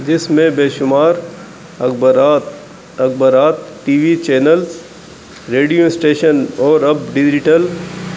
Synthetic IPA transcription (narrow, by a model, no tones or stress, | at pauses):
d͡ʒɪsmẽbeːʃʊmaːɾ | ɐkɾaːt̪ | ɐkbəɾaːt̪ʈiːʋit͡ʃɛːnəl | ɾeːɖijõɪsʈeːʃənɔːɾɐbɖɪd͡ʒɪʈəl